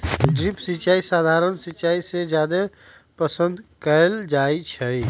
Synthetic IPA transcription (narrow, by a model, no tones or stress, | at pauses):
ɖɾipsit͡ʃaːisaːd̪ʱaːɾənsit͡ʃaːised͡ʒjad̪e | pəsə̃nd̪kəeld͡ʒaːit͡ʃʰɛi